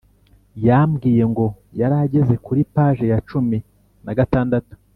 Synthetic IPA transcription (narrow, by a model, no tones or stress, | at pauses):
jaːmɡiːje̞ŋɡo̞ | jaɾaɟe̞ze̞kuɾipaːʒe̞jat͡ʃumi | naɡataːndatu̥